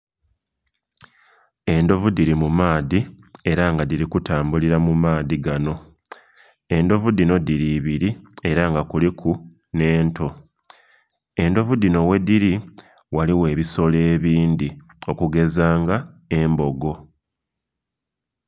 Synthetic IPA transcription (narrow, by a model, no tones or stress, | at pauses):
e̞ndo̞vudiɾimumaːði | e̞ɾaŋɡadiɾikutaːmbuliɾamumaːðiɡano̞ | e̞ndo̞vudino̞diɾiβiɾie̞ɾaŋɡakulikʰu | ne̞ːnto̞ | e̞ndo̞vudino̞we̞diɾi | waliwe̞ːβiso̞le̞ːβiːnd̪i | o̞kuɡe̞zaːŋɡae̞mbo̞ɡo̞